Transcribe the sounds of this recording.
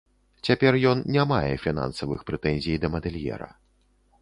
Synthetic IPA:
t͡sʲapʲɛrjɔnnʲamajɛ̰fʲin̪a̰nsɐvɨ̰xpɾɛt̪ɛnʲzʲijd̪ɐmɐd̪ɛlʲjɛ̰ɾɐ̰

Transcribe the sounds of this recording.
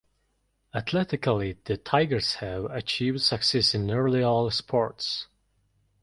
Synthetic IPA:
ət̪ʰlɛtɪkəlˠiðɨtʰaɪɡə˞shaʊət͡ʃʰivd̥səksɛsɪ̃nɜ˞liɔlˠspʰɔɹts

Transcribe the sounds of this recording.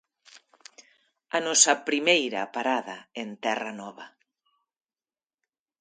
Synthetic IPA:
ɐnɔsɐpɾimejɾɐ̰paɾaðɐent̪ɛrɐnɔβɐ

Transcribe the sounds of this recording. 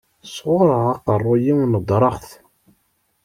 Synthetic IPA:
sʁʊɾˤəʁɑqərˤːʊjiwnəd̪ˤɾˤɑχθ

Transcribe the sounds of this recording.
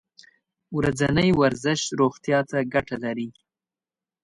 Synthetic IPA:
wɾad͡zanəjwaɾzɪʃɾoxt̪jɑt̪aɡaʈalaɾi

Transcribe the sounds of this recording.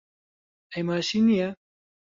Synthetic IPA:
ɛjmaːʃiːnijɛ

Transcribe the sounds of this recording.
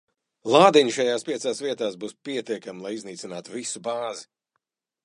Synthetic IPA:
lˠaːd̪iɲʃajaːspʲiɛsaːsviɛt̪aːsbuːspiɛt̪iɛkamlˠajizniːt̪sinaːt̪uvisubaːzi

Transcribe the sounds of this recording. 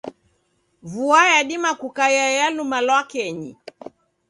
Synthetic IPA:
vuajaɗimakukajajalumalwakɛɲḭ

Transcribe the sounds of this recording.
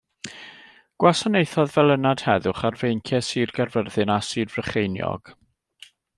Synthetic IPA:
ɡ̥wasanejθɔðvɛlˠənad̥hɛðʊχarvejŋkʰjɛsiːrɡarvərðɨnasɨːrvrəχejnjɔ̰ɡ̥

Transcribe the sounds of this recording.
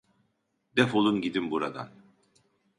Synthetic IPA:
d̪ɛfolˠunɟid̪imbuɾad̪a̰n

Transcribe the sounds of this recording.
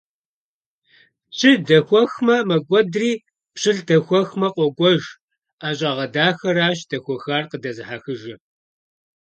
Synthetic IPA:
ɕʰʼɪdɐxʷɔxmɐmɐɡʷʼɔdriː | pɕɨɬdɐxʷɔxmɐqʷʼɔɡʷɔʒ | aːɕʼɐʁɐdaːxɐɾaːɕd̥ɐxʷɔxaːrqədɐzɨħaxɨʒɐ

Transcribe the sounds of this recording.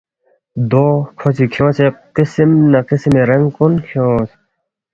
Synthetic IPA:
d̪oːkʰot͡sʰikʰjõːseqisimnɐqismeɾɐŋɡkonkʰos

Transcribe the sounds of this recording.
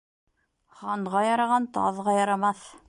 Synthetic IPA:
χɑɴʁɑjɑɾɑʁɑnt̪ɑ̰ðʁɑjɑɾɑmɑθ

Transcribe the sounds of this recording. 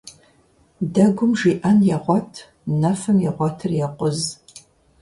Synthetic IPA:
dɐɡʷʊmʒiːʔɐnjɛʁʷɔtʰ | nɐfɐmjɛʁʷɔtʰɨrjɛqʷʊz

